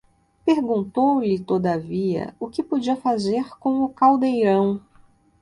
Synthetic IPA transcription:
peɾɡũnt̪owlɪt̪od̪aviɐ̰ʊkɪpod͡ʒiɐfazeɾkõw̃ʊkawd̪ejɾɐ̃w̃

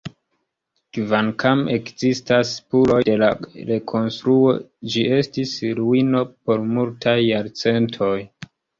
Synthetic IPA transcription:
kvankʰamekzistaspulo̞jde̞laɾe̞kʰo̞nstɾuo̞d͡ʒie̞stisɾuino̞po̞ɾmultʰajːaɾt͡se̞ntʰo̞j

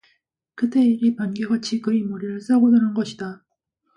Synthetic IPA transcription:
kɯt͈e̞iɾipanɡeɡat͡ɕʰikɯɾimoɾiɾɯɭs͈aɡodʌnɯnɡʌɕʰida

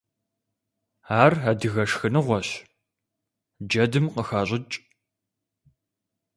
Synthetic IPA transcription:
aːrɐdɨɣɐʂxɨnɨʁʷɔɕ | d͡ʒɐdɨmqəxaːɕʼɪt͡ʃʼ

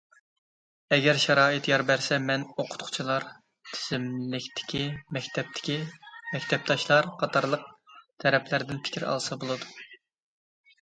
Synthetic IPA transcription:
ɛɡʲɛɾʃɛɾɑːɨt̪jɑɾbæɾsɛmɛnoqʰʊ̥t̪qʰʊ̥t͡ʃʰilˠɑɾ | t̪ʰɪ̥z̥ɪmlɪkʲt̪ʰɪ̥kʲimɛkʲt̪ʰɛp̚t̪ʰɪ̥kʲimɛkʲt̪ʰɛp̚t̪ʰɑʃlˠɑɾqʰɑt̪ʰɑɾlˠəq̚t̪ʰɛɾɛpʰlæɾd̪ɪnpʰɪ̥kʲiɾɑ̰lˠsɑbolˠɨd̪u

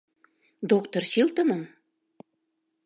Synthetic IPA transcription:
d̪okt̪orsilt̪ə̆nəm

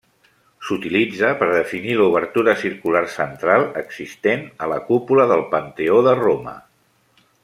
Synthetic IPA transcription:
sut̪ilid͡zəpəɾðəfiniluβ̞əɾt̪uɾəsiɾkularsənt̪ɾalˠəɡzist̪enələkupuləðəlˠpənt̪eoðəromə̰

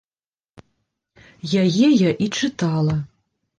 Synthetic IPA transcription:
jajɛjaʔit͡ʂɨt̪ʰalˠɐ

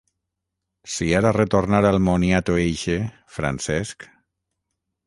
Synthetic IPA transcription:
siaɾaret̪oɾnaɾalˠmoniat̪oejʃe | fɾa̰nsɛsk

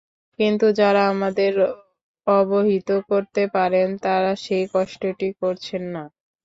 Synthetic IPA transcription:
kint̪ud͡ʑaɾaamad̪eɾ | ɔboɦit̪okoɾt̪epaɾent̪aɾaʃejkɔʃʈoʈikoɾt͡ɕʰenːa

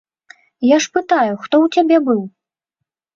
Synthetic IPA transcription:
jaʂpɨt̪ajuxt̪ɔwt͡sʲabʲɛbɨw

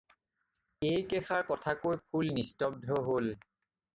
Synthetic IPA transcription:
ejkɛxaɹkɔtʰakojpʰulnistɔb̚dʱɔɦol

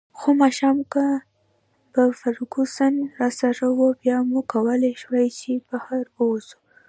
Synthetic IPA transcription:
xomɑʃɑmka | pəfaɾuɡusanɾɑsaɾawobjɑmukawəlaʃwajt͡ʃebahaɾbəwosu̥

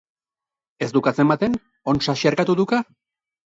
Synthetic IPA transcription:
e̞sd̪ukat͡se̞mbat̪e̞n | o̞nʃaʃiaɾkat̪uðuka

